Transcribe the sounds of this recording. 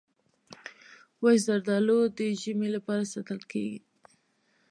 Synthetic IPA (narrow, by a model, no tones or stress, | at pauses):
wajzaɾd̪ɑlod̪əʒəmelapɑɾasɑt̪əlkḛɡi